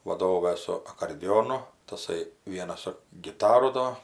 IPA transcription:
ʋɐˈdoːʋɐ sʊ ɐkoːrʲdʲɪˈjoːnʊ tɐˈsɐɪ ˈʋʲiɛnɐs sʊ ɡʲɪˈtɑːrʊ ˈdoː

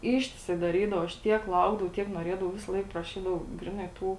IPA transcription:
ˈɪʃʲtʲɪˌsɐɪ dɐˈrʲiːdɐʋɐ ɐʃ ˈtʲiɛk ˈlˠɐʊɡdɐʋɐʊ tʲiɛk nuɔˈrʲeːdɐʋɐʊ ˈʋʲɪsɐˈlˠɐɪk prɐˈʃʲiːdɐʋɐʊ ˈɡrʲɪˌnɐɪ ˈtuː

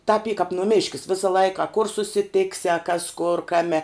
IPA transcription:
tɐp iː kɐp nʊˈmʲɪʃʲkʲɪs ˈʋʲɪsɐ ˈlˠɐɪkɐ ɐ kʊr sʊsʲɪˈtʲɪksʲɪ ɐ kɐs kʊr ˈkɑːmʲɛ

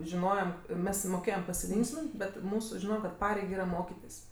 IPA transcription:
ʒʲɪˈnoːjɛm ˈmʲɛs moːˈkʲeːjɛm pɐsʲɪˈlʲɪŋksʲmʲɪnt bʲɛt ˈmuːsʊ ˈʒʲɪnoː kɐt ˈpɑːrʲɛɪk ˈiːrɐ ˈmoːkʲɪtʲɪs

